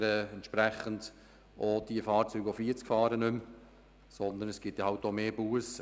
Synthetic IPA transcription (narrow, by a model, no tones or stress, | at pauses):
ɾɛɛnt̪ʃpɾɛχənd̥ | ʔod̥iəfɑːɾt͡syːɡofiəɾt͡skfɑːɾənɵm | sɔnd̪ənɛsɡ̥ɪtjahɑwtomeːb̥uəs